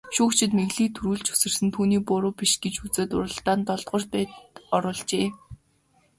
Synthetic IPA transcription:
ʃuːkt͡ɕʰɪ̆t̪meɣɮiːt̪ʰuɾuːɮt͡ɕu̥sɘ̆r̥sɘ̆nt̪ʰuːniːpʊɾʊːpiʃɡet͡ɕut͡seːt̪ʊ̰ɾə̆ɬt̪aːnt̪ɔɮt̪ʁə̆rt̪̚pæːt̪ɔɾʊːɮt͡ɕeː

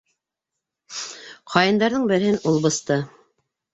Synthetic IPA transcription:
qʰɑjɤ̆nd̪ɑɾðɤɴbɘ̆ɾhɘnulˠbɤ̆st̪ɤ

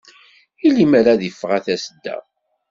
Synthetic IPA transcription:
ilimaɾaðifːʁæθæsəd̪ːæ̰

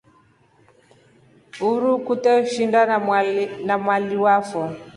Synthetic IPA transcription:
uɾukutauʃinda | namwaliwafɔ

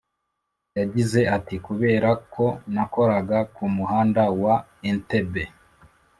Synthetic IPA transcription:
jaɟize̞atikuβe̞ːɾakʰo̞nako̞ɾaɡakumuɦaːndawa | ente̞be

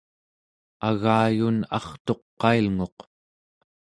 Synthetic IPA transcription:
aɣaːjunɑ̰χt̪o̞qːɑilŋo̞q

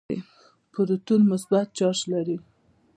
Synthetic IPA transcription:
ḭ | pəɾut̪unmʊsbat̪̚t͡ʃɑʃlaɾi

